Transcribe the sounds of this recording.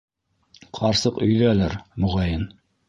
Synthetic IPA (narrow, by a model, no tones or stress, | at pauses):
qʰɑɾsɤqɵ̆jðælæɾmuʁɑjɤn